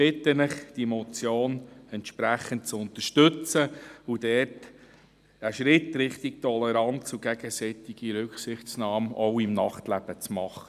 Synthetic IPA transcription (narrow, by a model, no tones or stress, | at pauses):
b̥ɪt̪ənɪχd̥imɔt͡sjoːnɛntʃpɾæχənt̚t͡sʊnt̪əʃtɵt͡səudɛːrt | əʃɾɪtɾɪχt̪ɪk̚tʰɔlɛɾɑnsuɡ̥ɛɡ̥əsɛt̪ɪɡ̥iɾʏkχsɪχt͡snɑːmɔʊɪmnɑχtlæb̥ət͡smɑχə